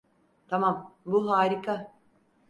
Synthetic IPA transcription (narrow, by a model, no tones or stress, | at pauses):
t̪ʰamambuɦaːɾikʰa